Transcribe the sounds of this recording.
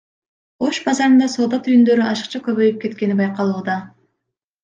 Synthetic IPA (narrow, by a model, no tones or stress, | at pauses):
o̞ʃbɑzɑɾɯnd̪ɑso̞ːd̪ɑt̪ʰyjynd̪ø̞ɾyʔɑʃɯ̥qt͡ʃʰɑkʲø̞βø̞jyp̚ke̞t̪kʲe̞nibɑjqɑlˠuːd̪ɑ